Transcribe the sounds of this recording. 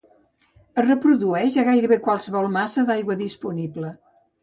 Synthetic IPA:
ərəpɾuðuɛʃəɣajɾəβekwalˠsəβɔlˠmasəðajɣwəðispuniblə

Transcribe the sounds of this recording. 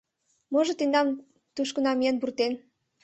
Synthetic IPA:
moʒɤ̆t̪end̪ɑm | t̪uʃkə̆nɑmijenburt̪en

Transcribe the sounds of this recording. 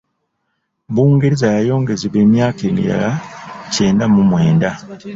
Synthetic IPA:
βuːŋɡeɾizajajo̞ːŋɡe̞ziβe̞ːmjaːkeːmḭɾa̰lace̞ːndamumwe̞ːnda

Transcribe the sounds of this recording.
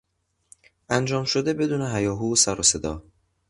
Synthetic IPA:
ʔænd͡ʒɒːmʃod̪e̞be̞d̪uːne̞ɦæjɒːɦuːsæɾose̞d̪ɒː

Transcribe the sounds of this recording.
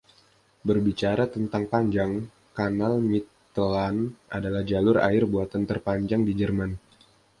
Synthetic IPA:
bərbit͡ʃaɾat̪ənt̪aŋpaɲd͡ʒaŋ | kanalmit̪ | əlanʔadalahd͡ʒalʊra̰ɪrbuat̪ant̪ərpaɲd͡ʒaŋdid͡ʒərman

